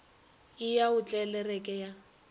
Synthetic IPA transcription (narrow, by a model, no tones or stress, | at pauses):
ɪjaʊt͡ɬʼɛlɛrɛkʼɛja